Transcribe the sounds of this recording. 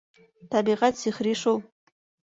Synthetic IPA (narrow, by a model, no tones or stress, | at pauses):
tʰabiʁatsiχriʂow